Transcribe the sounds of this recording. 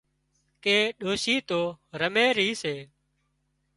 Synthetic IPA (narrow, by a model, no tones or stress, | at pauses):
keːɗoːsiːt̪oːɾəmeːɾəiːseː